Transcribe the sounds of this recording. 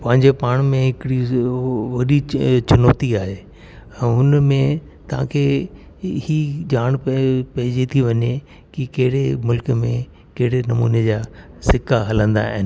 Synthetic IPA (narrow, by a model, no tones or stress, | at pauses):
pɐ̃ɦɪ̃ɲd͡ʑepaːɽ̃mẽɦɪkɪɽi | ʋɐɗit͡ɕɐnɔːt̪iaːɦe | ɛ̃ːɦʊnmẽ | t̪ɐʋ̤ã̰kʰe | hid͡ʑaːɽ̃pɐɦɪd͡ʑet̪ʰiʋɐɲe | kikɐɦɪɽemʊlkmḛ̃ | kɐɦɪɽenɐmṵːned͡ʑaːsɪkaɦɐlə̃nd̪a̰ɪn